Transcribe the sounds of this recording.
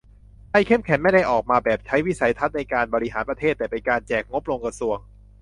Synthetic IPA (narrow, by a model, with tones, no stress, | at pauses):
da˥˩jkʰe˥˩mkʰɛ˩˦nma˥˩jda˥˩jʔɔː˨˩k̚maː˧bɛː˨˩p̚t͡ɕʰa˦˥jwi˦˥˩sa˩˦jt̪ʰa˦˥t̪̚na˧jkaː˧nbɔː˧ɾi˦˥ɦaː˩˦npɾa˧t̪ʰeː˥˩t̪ːɛː˨˩pe˧nkaː˧nt͡ɕɛː˨˩k̚ŋo˦˥p̚lo˧ŋkɾa˧su˧əŋ